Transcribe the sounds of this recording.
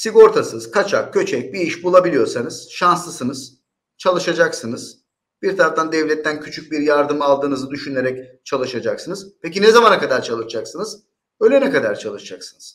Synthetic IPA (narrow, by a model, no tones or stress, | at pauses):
siɡo̞ɾt̪ʰasɯz̥kʰat͡ʃʰak̚cʰːø̞t͡ʃʰɛc̚biiʃbulˠabilʲijo̞ɾsanɯz̥ʃanslˠɯsɯnɯz̥ | t͡ʃʰalˠɯʃad͡ʒaksɯnɯz̥ | biɾt̪ʰaɾaft̪and̪ɛvlʲɛt̪ʰːæncʰyt͡ʃʰyc̚biɾjaɾd̪ɯmalˠd̪ɯːnɯzɯd̪yʃyneɾɛc̚t͡ʃʰalˠɯʃad͡ʒaksɯnɯz̥pʰecinɛzamanakad̪aɾt͡ʃʰalˠɯʃad͡ʒaksɯnɯz̥ | øjlʲɛnɛkad̪aɾt͡ʃʰalˠɯʃad͡ʒaksɯnɯz̥